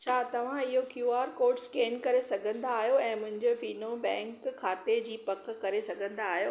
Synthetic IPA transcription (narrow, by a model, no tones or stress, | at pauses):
t͡ɕʰaːt̪ɐʋ̤ãɪɦokjuːaːɾkoːɾɖskeːnkɐɾesɐɡʱə̃nd̪aːɦijoɛ̃ːmʊ̃ɦɪ̃ɲd͡ʑofiːnobɛ̃ːŋkʰːaːt̪ed͡ʑiːpɐkkɐɾesɐɡʱə̃nd̪aːɦijoː